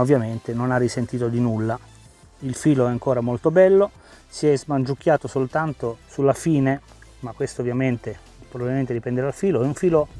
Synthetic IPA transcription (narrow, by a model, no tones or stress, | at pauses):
ovːjament̪enonarːisent̪iːt̪od̪inulːa | ilfiːloɛaŋkoːɾamolt̪obɛlːo | siɛzmand͡ʒuk̟ːjaːt̪osolt̪ant̪osulːafiːne | makːwest̪oːvːjament̪e | pɾobabilment̪ed̪ipɛnd̪eɾad̪alfiːloɛuɱfiːlo